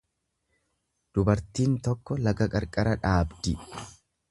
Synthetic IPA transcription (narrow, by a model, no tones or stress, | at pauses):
d̪̥ʊbɐɾt̪iːnt̪ɔkːɔlɐɡɐkʼɐɾkʼɐɾɐᶑaːbd̪ɪ